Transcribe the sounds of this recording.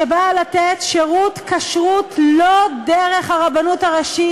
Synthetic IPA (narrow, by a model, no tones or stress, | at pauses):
ebalatetʃeʁutkaʃʁutlodeʁeχhaʁabanutaʁaʃi